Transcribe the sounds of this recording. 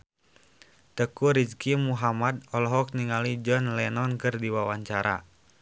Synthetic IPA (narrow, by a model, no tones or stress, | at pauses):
t̪əkuɾid͡ʒkimuɦamad̪ɔlɔɦɔk̚niŋalid͡ʒɔnlɛnɔnkɨrdiwawaɲt͡ʃaɾa̰